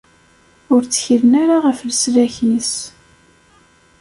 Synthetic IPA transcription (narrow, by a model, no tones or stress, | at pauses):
ʊɾt͡sːə̥çiɾənaɾaʁəflslæçis